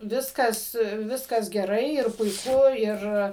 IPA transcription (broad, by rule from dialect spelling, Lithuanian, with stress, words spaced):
ˈʋʲɪskɐs ʋʲˈɪskɐs ɡʲɛˈrɐɪ ɪr pʊɪˈkʊ ˈɪr